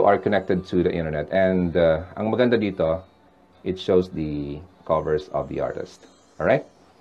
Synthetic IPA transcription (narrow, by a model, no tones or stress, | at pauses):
uʔɐɹkɔnɛk̚t̪ɛd̪̚t̪uðɐʔɪ̰̃nt̪əɹnɛt̪ɛ̃nd̪aʔɐ̰ŋmɐɡɐnd̪ad̪iːt̪o | ʔɪt̪ʃowsd̪ɐkʰɔvɛɹsɔ̰vd̪ḭʔa̰ɹt̪ɪ̰st̪̚ | ʔɔɹajt̪̚